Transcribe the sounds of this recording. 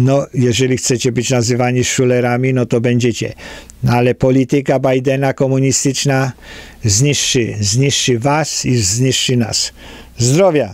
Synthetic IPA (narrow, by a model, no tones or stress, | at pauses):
nɔjɛʐɛlʲixsɛt͡ɕɛbɘd͡ʑnazɘvaɲiʂulɛɾamʲinɔt̪ɔbɛɲd͡ʑɛt͡ɕɛ̰ | nalɛpɔlʲit̪ɪkabajd̪ɛnakɔmuɲist̪ɪt͡ʂna | zɲiʂt͡ʂɨzɲiʂt͡ʂɨvasizɲiʂt͡ʂɨna̰s | zd̪ɾɔvʲja